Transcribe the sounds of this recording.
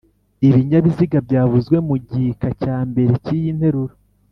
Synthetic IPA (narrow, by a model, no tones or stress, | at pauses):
iβiɲaβiziɡabɟaːvuzɡwe̞muɟikacaːmbe̞ɾecijinhe̞ɾuɾo